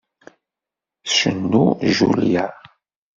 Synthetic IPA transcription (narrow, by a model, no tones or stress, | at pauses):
sʃə̰nːuʒulja